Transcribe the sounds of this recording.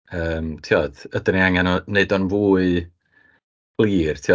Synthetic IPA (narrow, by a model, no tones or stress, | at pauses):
əːmtʰiɔd̥ədəniaŋanɔneɨdɔnvuːɨ | blˠiːrtʰiɔ